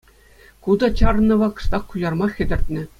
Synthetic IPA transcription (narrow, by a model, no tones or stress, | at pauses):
kud̪ɑt͡ɕɑrnːɤ̆ʋɑkɤ̥̆ʂt̪ɑχkujɑrmɑxʲɘ̆dʲɘ̆rʲt̪ʲnʲɘ̆